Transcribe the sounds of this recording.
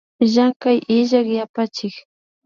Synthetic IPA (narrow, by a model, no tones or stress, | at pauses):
ʒakajʔɪʒakjapat͡ʃɪk